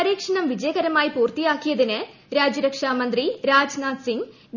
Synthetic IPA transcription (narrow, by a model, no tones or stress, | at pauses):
ɐɾiːkʂɐɳɐmʋid͡ʑɐjɐɣɐɾɐmaːjipuːrt̪ijaːkːijɐðinɨ | ɾaːd͡ʑɐɾɐkʂaːmɐnd̪riɾaːd͡ʑnaːd̪siŋ